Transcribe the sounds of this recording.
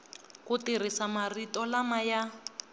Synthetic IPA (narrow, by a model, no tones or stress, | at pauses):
kutir̤isamaritɔlamaja